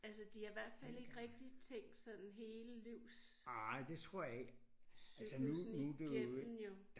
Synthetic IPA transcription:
æls̬əd̥ihɑ̈iʋæɐ̰d̥fæl̰e̝ɡ̥ʁɛɡ̥̚d̥it͡sʰeŋ̰d̥sɒ̽nn̩ɦe̝ːləliʊ̰s | ɑɪ̰d̥e̝t͡sʰʁo̝ɐ̰jɑ̈eɡ̥ | æsənumind̥een̩jo̝̥

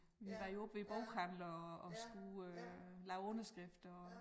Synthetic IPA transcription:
ʋiʋɑ̈joɔb̥ʋeb̥ɔʊkʰænlɐɒɒ̽sɡ̥uølɑ̈ʊɔnɐsɡ̥ʁɛfd̥ɒ

